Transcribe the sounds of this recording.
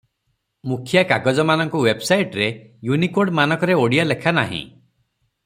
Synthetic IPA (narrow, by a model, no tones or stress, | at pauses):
mukʰjakaɡɔd͡ʒɔmanɔŋkuwebsajʈɾejunikoɽmanɔkɔɾeoɽijalekʰana̰ɦḭ̃